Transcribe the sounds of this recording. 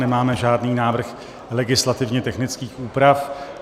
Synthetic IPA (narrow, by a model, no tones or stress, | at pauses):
nɛmaːmɛʒaːdniːnaːvr̩x | lɛɡɪslat̪ɪvɲɛt̪ɛxnɪt͡skiːxuːpɾaf